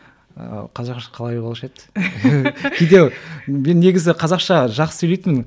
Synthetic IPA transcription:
qʰɑzɑqʃɑ̥qʰɑlˠɑjbolˠʃet̪ | kʲʰejd̪ewme̞nːe̞ɡʲɪzɪqʰɑzɑqʃɑʒɑqsə̥sɵjlejt̪mɪn

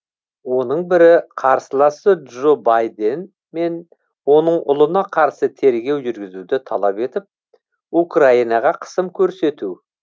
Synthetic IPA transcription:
wo̞nəɴbɪɾɪqʰɑɾsəlˠɑsəʒobajd̪e̞n | me̞n | wo̞nəɴʊ̰lˠənɑqʰɑɾsət̪ʰe̞ɾɡʲe̞wʒʏɾɡʲɪzud̪ɪt̪ʰɑlˠɑpe̞t̪ɪp̚ | ukrainɑʁɑqʰə̥səmkʲʰɵɾse̞t̪u

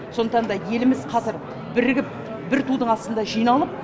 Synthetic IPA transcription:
so̞nd̪əqt̪ɑnd̪ɑje̞lɪmɪzqʰɑzɪɾ | bɪɾɡʲɪp̚ | bɪɾt̪ud̪əɴɑst̪ənd̪ɑʒijnɑlˠəp̚

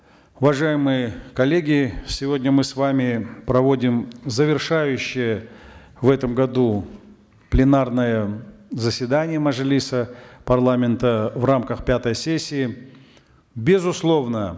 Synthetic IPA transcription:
ʊvɐʐajɪmɨjəkɐlʲːeɡʲɪsʲɪvo̞dʲnʲəmɨsvamʲɪpɾɐvo̞dʲɪmzəvʲɪrʂajʉɕːɪjə | vɛt̪əmɡɐd̪u | plʲɪnarnəjəzəsʲvʲɪd̪anʲɪjəmɐʐɨlʲisəpɐrlˠamʲɪnt̪əvramkəxpʲat̪əjsʲesʲːɪː | bʲɪzʊslˠo̞vnə

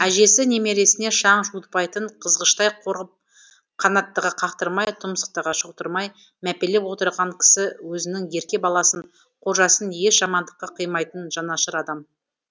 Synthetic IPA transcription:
æʒe̞sɪne̞me̞ɾe̞sɪne̞ʃɑɴʒut̪̚pɑjt̪əɴqʰəzʁəʃt̪ɑjqoɾʁəp̚ | qʰɑnɑt̪ːəʁəqʰɑqt̪əɾmɑjt̪ʰʊmsə̥q̚t̪əʁɑʃoqt̪əɾmɑj | mæpe̞le̞pwo̞t̪əɾʁɑŋkʲʰɪ̥sɪwɵzɪnɪŋje̞ɾkʲe̞bɑlˠɑsəɴ | qʰo̞ɾʒɑsənje̞ʃʒ̥ɑmɑnd̪əqːɑqʰəjmɑjt̪ənʒɑnɑʃəɾɑd̪ɑm

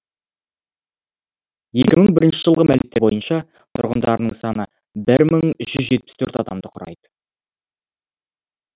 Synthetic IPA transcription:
je̞kʲɪməŋbɪɾɪnʃɪʒəlˠʁəmælmet̪ːebo̞jənʃɑ | t̪ʰʊ̰ɾʁənd̪ɑɾənəɴsɑnə | bɪɾməŋʏʃʒʏzʒe̞t̪̚pɪ̥st̪ʰɵɾt̪ɑd̪ɑmd̪əqʰʊɾɑ̰jd̪ə̥

